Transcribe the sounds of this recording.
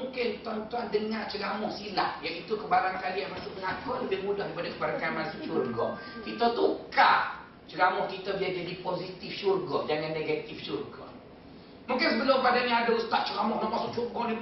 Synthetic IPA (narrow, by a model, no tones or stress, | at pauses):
uŋkɪnt̪uant̪uandəŋaʔt͡ʃəɡamɔhsila̰hjaʔit̪ukəbaɾaŋkaliamasʊʔməŋakɔləbɪhmudahdipadakəbaɾaŋkaimasiʃurɡɔ | kit̪ət̪ukaʔ | t͡ʃəɡamɔhkit̪abiad͡ʒadiposit̪ifʃurɡɔʔd͡ʒaŋanːeɡat̪ifʃurɡɔ̰ | muŋkɪnsəbəlʊmpadaɲãadaust̪aʔ̚t͡ʃəɡamɔhnaʔmasʊʔt͡ʃukɔdi